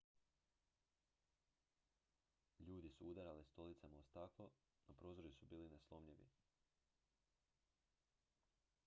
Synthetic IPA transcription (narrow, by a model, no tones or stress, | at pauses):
ʎuːd̪isuud̪aɾalist̪o̞lit̪samaost̪aklˠo | napɾo̞ːzoɾjusubiːlineslˠo̞mʎiʋḭ